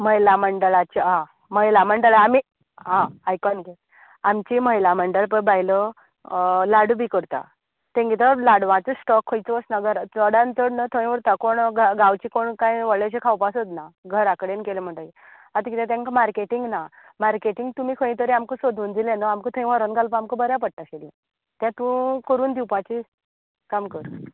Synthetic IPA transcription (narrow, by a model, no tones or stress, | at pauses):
məjlaməɳɖəɭat͡ɕiɦã | məjlam̤əɳɖəɭaami | ɦãajkɔnɡet̪ | amt͡ɕiməjlam̤əɳɖəɭpəɳbaɦjlə | laɽubʱikəɾt̪a̰ | t̪ẽŋɡit̪̬əlaɽʋãt͡səsʈɔkʰːəjt͡səəsnaɡʱəɾt͡səɽãnt͡səɽnət̪ʰəĩʋəɾt̪akoɳɡaɡawt͡ɕikoɳkãjʋəɭːeɕ̬ekʰawpasot̪naɡʱəɾakɽenkelem̤əɳʈəi | at̪kit̪ẽt̪̬ãŋkamaɾkeʈiŋɡna | maɾkeʈiŋɡt̪umiːkʰəĩt̪əɾiamkəsod̪ʱuːnd̪ilẽnəamkət̪ʰəĩʋaɾənɡalpaamkəbəɾjapəɽ̚ʈ̪akelḭ | t̪jãt̪ũkəɾuːnd̪iwpat͡ɕi | kamkəɾ